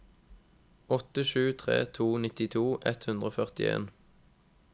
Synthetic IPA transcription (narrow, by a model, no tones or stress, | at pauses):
ɔt̪əʃʉːt̪ʰʁḛːt̪ʰuːnɪt̪ɪt̪ʰuːʔɛt̪hʉnd̪ʁoːfœʁt̪ɪ̰ḛːn